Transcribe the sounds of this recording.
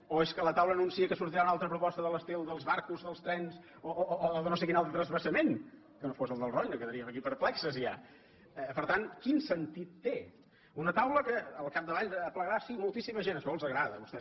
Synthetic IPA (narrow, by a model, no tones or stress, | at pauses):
oeskələt̪awləːnunsiəkəsuɾt̪iɾaunalˠt̪ɾəpɾupɔst̪əðələst̪elˠd̪əlˠzβaɾkuzðəlˠst̪ɾɛns | ooːðənos̬ekinalˠt̪ɾət̪ɾəzβəsəmen | kənofosəlˠd̪əlˠroɲd̪əkəðəɾiəməkipəɾplɛksəzia̰ | əpəɾt̪ankinsənt̪it̪ːe | unət̪awləkəːlˠkap̚d̪əβaʎːpləɣɾasimulˠt̪isiməʒenəʃɔlˠzəɣɾaðəβust̪ɛ